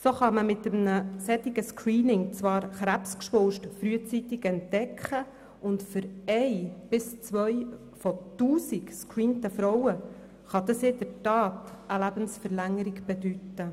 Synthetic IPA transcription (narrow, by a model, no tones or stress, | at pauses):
soχɑməmɪt̪əmnəsɛtɪɡəskɾiːnɪŋt͡sʋɑːɾχɾæpskʃʋʊlʃtfɾyət͡sit̪ɪɡɛntd̥ɛkχə | ʊntfʏɾɛɪb̥ɪst͡sʋœj | fɔtuːsɪkskɾiːntəfɾɔwə | χɑd̪ɑsɪdəɾtɑːt̪əlæbənsfəɾlæŋəɾɪɡb̥ɛd̥̪ytə